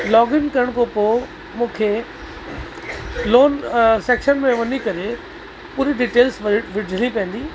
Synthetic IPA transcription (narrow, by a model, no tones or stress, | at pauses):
lɔːɡɪnkɐɾəɽ̃kopoː | mũːkʰe | loːnseːkʃənmẽʋɐnikɐɾe | puːɾiɖiːʈeːlsʋʋɪɖʱɪɽ̃ipɐ̃ə̃nd̪iː